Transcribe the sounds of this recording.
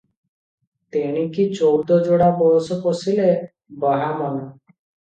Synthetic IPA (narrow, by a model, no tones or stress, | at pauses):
t̪eɽ̃ikit͡ʃowd̪ɔd͡ʒoɽabɔsɔposile | bɔɦamɔnɔ